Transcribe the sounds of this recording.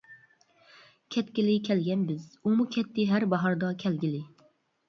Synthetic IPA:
kʲʰɛt̪kʲɪlɪkʲʰɛlɡʲɛnbɪzumukʲʰɛt̪ʰːɪɦæɾbɑɦɑɾd̪ɑkʲʰɛlɡʲilɪ

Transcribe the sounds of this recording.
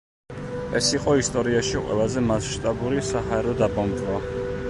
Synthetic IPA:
ɛsiqʼɔist̪ʼɔɾiaʃiqʼwɛ̰lˠazɛmasʃt̪ʼabuɾisaɦaɛɾɔd̪abʼɔmd̪wa

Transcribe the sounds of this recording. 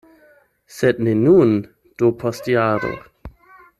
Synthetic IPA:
sed̚nenun | d̥opʰostjaːɾo̰

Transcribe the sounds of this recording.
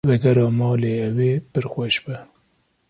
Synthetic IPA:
vɛɡɛɾɑːmɑːleːɛweːpɨɾxʷwɛʃbɨ

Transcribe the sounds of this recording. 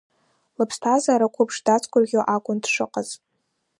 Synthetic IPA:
lɨpʰstʰazaːɾakʷʰʊpʰʂdat͡sʰkʷʼʊrɡʲoʔakʷʼʊndʂɨqʼəz

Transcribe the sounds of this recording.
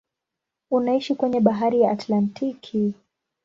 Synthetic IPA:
unaiʃikwɛɲɛɓaɦaɾijaʔːtlantʰikʰi

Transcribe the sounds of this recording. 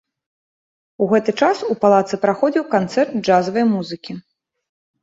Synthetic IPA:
uɣɛt̪ɨt͡ʂasupalˠat̪sɨpɾaxɔd͡zʲiwkant̪sɛrt̪̚d͡ʐazɐvɐjmuzɨkʲi

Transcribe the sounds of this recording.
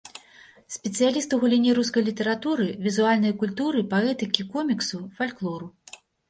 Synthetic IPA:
sʲpʲɛt̪sɨjalʲist̪uɣulʲinʲiɾus̬kɐjlʲit̪ɐɾat̪uɾɨvʲizualʲnɐjkulʲt̪uɾɨpaɛt̪ɨkʲikɔmʲiksufalʲklˠɔɾu

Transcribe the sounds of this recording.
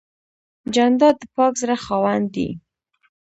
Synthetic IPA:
d͡ʒand̪ɑd̪̚əpɑkzɾaxɑwand̪ḭ

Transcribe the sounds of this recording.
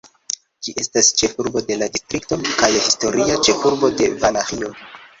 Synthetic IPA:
d͡ʒiʔe̞stast͡ʃe̞fuɾbo̞de̞ladistɾikto̞kajhisto̞ɾiat͡ʃe̞fuɾbo̞de̞valaxio̞

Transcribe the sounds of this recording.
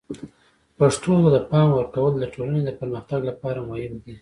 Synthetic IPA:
paʂʈod̪əpɑmwəɾkawəld̪əʈʰolaned̪əpəɾməxt̪aɡlapɑɾamʊhɪbd̪i

